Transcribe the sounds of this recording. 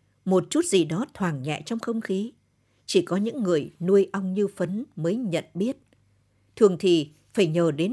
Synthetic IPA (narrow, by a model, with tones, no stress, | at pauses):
mo˨˩t̚t͡ɕu˦˥t̚zi˨˩ɗɔ˨˦t̪ʰwaː˨˩ŋɲɛ̰˧˨t͡ɕɔ˧wŋ͡mxə˧wŋ͡mxi˨˦ | t͡ɕi˧˩kɔ˨˦ɲɨ̰˧˥ŋːɨ˨˩əjnu˧əjʔa˧wŋ͡mɲɨ˧fə˨˦nməː˨˦jɲə̰˧˨nɓi˦˥ət̚ | t̪ʰɨ˨˩əŋt̪ʰi˨˩ | faː˧˩jɲəː˨˩ɗe˨˦n